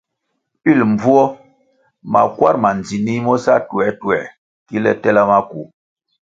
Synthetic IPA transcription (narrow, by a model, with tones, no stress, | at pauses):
i˦˨lm˨b͡vu˦ɔ˦ | ma̰˨kwa̰˦˨ɾma˨nd͡zi˨ni˦mɔ˦sa˦tu˨ɛ˨˦tu˨ɛ̰˨ | ki˦lɛ˦tɛ˦la˦ma˦ku˨